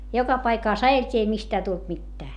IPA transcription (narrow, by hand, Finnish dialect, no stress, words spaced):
jokɑ pɑikɑˑs ɑjeltʲiː ei mistæː tult mitːæː